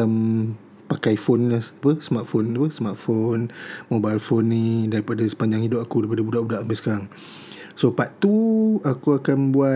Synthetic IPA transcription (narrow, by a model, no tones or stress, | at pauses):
m | pakajfonlahpəsəmat̪̚fonapəsəmart̪̚fonmobajlfonːidaɾipadasə̥paɲd͡ʒaŋidʊp̚akudaipadabudaʔbudaʔambisəkaɾaŋ | sopaʔt̪uakuakanbua